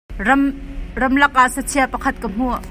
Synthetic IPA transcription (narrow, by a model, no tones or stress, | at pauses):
rɐmrɐmlɐk̚ʔaʔsɐt͡sʰiapɐkʰɐt̪̚kəm̥u